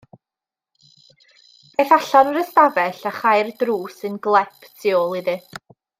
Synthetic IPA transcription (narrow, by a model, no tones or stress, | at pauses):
b̥ejθaɬanəɾəstavɛɬaχajrdruːsɨnɡlˠɛpʰtʰiɔlˠiðɨ